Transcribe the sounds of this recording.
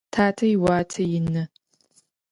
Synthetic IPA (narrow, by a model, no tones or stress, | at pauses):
tʰaːtʰɐjɪwaːtʰɐjɪnɨ